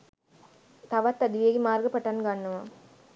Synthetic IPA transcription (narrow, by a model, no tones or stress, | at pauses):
t̪ɐʋɐt̪ːɐd̪ʋeːɣimaːɾɡɐpːɐʈːaːnkaːɳnɐʋãː